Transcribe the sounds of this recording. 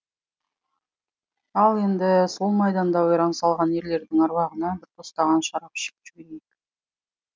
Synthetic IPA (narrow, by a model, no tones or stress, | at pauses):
ɑlˠe̞nd̪ɪso̞lˠmɑjd̪ɑnd̪ɑʊjɾɑnsɑlˠʁɑnje̞ɾle̞ɾd̪ɪŋɑɾβɑʁənɑbɪɾt̪ʰost̪ɑʁɑnʃɑɾɑpɪ̥ʃɪ̥k̚ʒ̥ʏbeɾejk